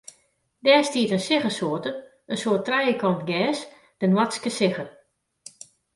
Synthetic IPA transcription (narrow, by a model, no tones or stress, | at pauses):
dɛːstiətənsɪɣəsoətə | ənsoətrɛjəkɔntɡɛːs | d̥ənwatskəsɪɣər